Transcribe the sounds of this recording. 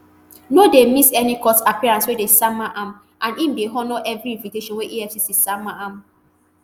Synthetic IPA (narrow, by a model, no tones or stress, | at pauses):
nodemisɛnikɔsapiɹãnswedesamaʔãm | ʔãnĩmdeɦɔnɔʔɛvɾiĩnviteʃɔ̃nweʔiɛfsisisamaam